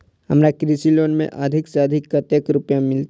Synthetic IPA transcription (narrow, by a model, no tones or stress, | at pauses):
ɦɐ̰mɾakɾisiloːnmḛ̃ʔad̪ʱɪksaːd̪ʱɪkːət̪jəkɾʊpjãmɪlt̪